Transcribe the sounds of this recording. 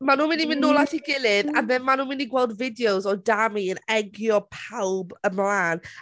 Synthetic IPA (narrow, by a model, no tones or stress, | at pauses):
manuːmɪnimɪnʊlˠaθiɡɪlˠɪðamɛnmanuːmɪniɡwɛlˠdvɪdjowzɔdamiənɛɡjɔpʰawbəmlˠaːn